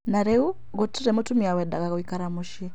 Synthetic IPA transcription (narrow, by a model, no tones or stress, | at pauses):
naɾɛu | ɣutiɾɛmutumiawɛdaɣaɣwikaɾamuʃjɛ